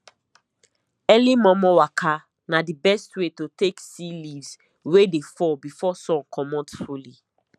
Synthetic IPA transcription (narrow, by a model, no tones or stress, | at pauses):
ɛlimɔ̃mɔwakʰa | nadibɛstwetoteksilivz | wedefɔbifɔsɔ̃kʰɔmɔ̃tfuli